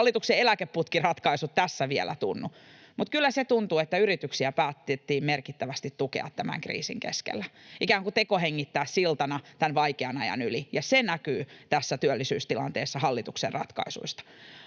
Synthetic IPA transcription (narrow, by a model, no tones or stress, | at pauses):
lːˑit̪ukseelækepːut̪kirɑt̪kɑisut̪t̪æsːæʋielʔæ̰t̪ṵnːu | mut̪kylːæset̪unt̪uet̪ːæyrit̪yksiæpæːt̪ːt̪ːiːmmerkit̪ːæʋæst̪it̪t̪ukḛɑ̰t̪t̪æmæ̰ŋkrḭːsḭŋkḛskḛlːæikæːŋkut̪ekoheŋːit̪ːæːssilt̪ɑnɑt̪ænʋɑikeɑnɑjɑ̰nylijɑsenækyːt̪æsːæt̪yølːisyːst̪ilɑ̰nt̪eːsːɑhɑlːit̪uksḛrrɑ̰t̪kɑ̰isṵist̪ɑ̥